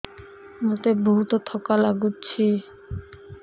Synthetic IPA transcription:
mot̪eboɦut̪ot̪ʰɔkalaɡutːɕʰe

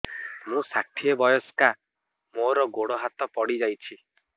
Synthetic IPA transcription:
mũsaʈʰiebɔjɔska | moɾɔɡoɽɔɦat̪ɔpɔɽid͡ʒajt͡ʃʰi

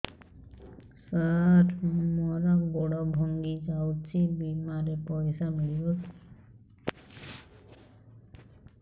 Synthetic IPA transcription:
saʈʰmɔɾɔkbɔɽɔbʱɔŋɡid͡ʒawt͡ʃʰibimaɾepɔjsamilibɔ

